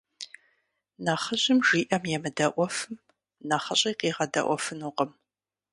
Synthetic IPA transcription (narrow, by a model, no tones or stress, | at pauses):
nɐχəʑɪmʒiːʔɐmjɛmɨdɐʔʷɔfɨm | nɐχɐɕʼiːqiːʁɐdɐ̰ʔʷɔfɨnuːqəm